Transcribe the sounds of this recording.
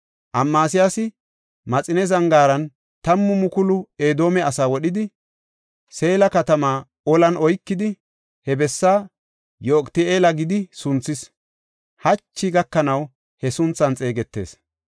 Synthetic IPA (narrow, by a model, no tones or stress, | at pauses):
ʔɐmːaːsɪjasɪ | mɐt͡sʼɪnɛzɐŋɡaːɾɐn | t̪ɐmːʊmʊkʊlʊeːd̪o̞ːmɛɐsaːwɔɗɪd̪ɪ | se̞ːlɐkɐt̪ɐmaː | ɔlɐnʔɔjkːɪd̪ɪ | hɛbɛsːaː | joːkʼt̪ɪeːlɐɡɪd̪ɪsʊnt͡sːɪs | hɐt͡ʃːɪɡɐkːɐnɐw | hɛsʊnt͡sːɐnt͡sʼe̞ːɡɛt̪ːe̞̰ːs